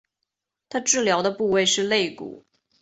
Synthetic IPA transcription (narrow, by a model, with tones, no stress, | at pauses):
t̪ʰa˥ʈ͡ʂɻ̩˥˩ljɑ˧˥ʊd̪ə˧pu˥˧we˥˧ɪʂɻ̩˥˧le˥˩ɪkṵ˨˩˦